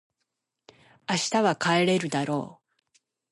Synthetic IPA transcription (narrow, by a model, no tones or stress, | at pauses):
aɕi̥t̪aβakae̞ɾe̞ɾɯ̟d̪aɾo̞̰ː